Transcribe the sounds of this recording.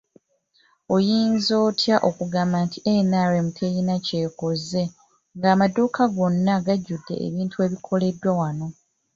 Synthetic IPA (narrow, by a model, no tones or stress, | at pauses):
o̞jiːnzo̞ːtʰjaʔo̞kuɡaːmbantiʔenaːɾe̞mukʰejinace̞ːko̞ze̞ | ŋɡaːmaduːkʰaɡo̞nːaɡaɟːudːe̞̰ʔḛβiːntue̞ːβikʰo̞le̞dwawano̞